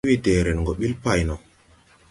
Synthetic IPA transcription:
wi˦te˨ɾe˨nŋɡo˨ɓi˦lpa˨jnɔ˨

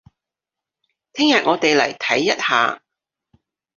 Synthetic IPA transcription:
t̪ʰɪ˥ŋjɐ˨t̚ŋɔː˨˧t̪e˨jlɐ̰˨˩jt̪ʰɐ˨˥jːɐ˥t̚ha̰ː˨˧

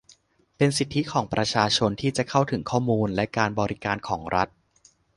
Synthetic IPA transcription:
pe˧nsi˨˩t̪ʰːi˦˥kʰɔː˩˦ŋpɾa˧t͡ɕʰaː˧t͡ɕʰo˧nt̪ʰiː˥˩t͡ɕa˨˩kʰa˥˩wt̪ʰɯ˩˦ŋkʰɔː˥˩muː˧nlɛ˦˥kaː˧nbɔː˧ɾi˦kaː˧nkʰɔː˩˦ŋɾa˦˥t̪̚

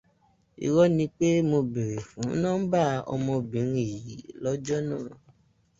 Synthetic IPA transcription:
ḭ˨wɔ˦nĩ˧k͡pe˦mo˧be˨ɾe˨fũ˨˦nãː˦n̩˦ba˦˨ɔ̰˧mɔ̃˧bĩ˨˦i˦˨ji˨˦lɔ˦d͡ʒɔ˦nãː˦˨

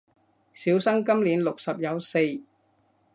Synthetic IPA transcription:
siː˨˥wsɐ˥ŋkɐ˥mliː˨˥nlʊ˨k̚sɐ˨p̚jɐ˨˧wse˧j

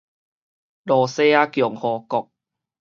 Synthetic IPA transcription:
lɔː˨˧se˧a˧kjɔ˨˩˦ŋhɔː˨˧kɔ˨˩k̚

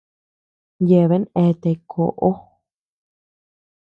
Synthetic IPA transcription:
je˧˨βe˦ne˧t̪e˧kʰo̰˨ʔo˦

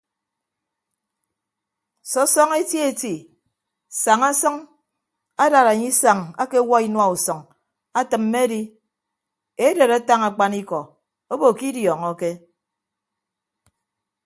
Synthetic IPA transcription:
sɔ˦sɔ˦ŋe˦tje˨ti˨ | sa˨ŋa˦sʌ˦ŋ | a˦da˨ɾa˨ɲi˦sa˨ŋa̰˦ke˦wa˦i˦nwa˦˨u˨sɔ˨ŋ | a˦tɨ˨m̩ːe˦di˦ | e˦de˨ɾa˦ta˦ŋa˨k͡pa˦ni˦kɔ˨ | o˦bo˨ki˦djɔ˨ŋɔ˦ke˦

